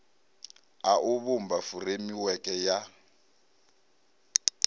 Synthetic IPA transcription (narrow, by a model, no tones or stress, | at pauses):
aʔʊβumbafuremiwɛkʼɛja